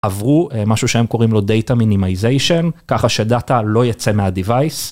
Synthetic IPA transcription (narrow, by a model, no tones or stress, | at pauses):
avʁuemaʃuʃehe̞mko̞ʁimlo̞de̞jtaminimaizejʃonkaχaʃe̞datalo̞jat͡se̞meadivajs